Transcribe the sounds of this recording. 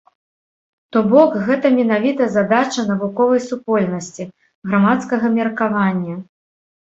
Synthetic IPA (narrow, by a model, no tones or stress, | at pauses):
t̪ɔbɔkɣɛt̪ɐmʲɛnavʲit̪ɐzad̪at͡ʃɐnɐvukɔvɐjsupɔlʲnɐsʲt͡sʲi | ɣɾamat̪skɐɣɐmʲɛrkavanʲːɐ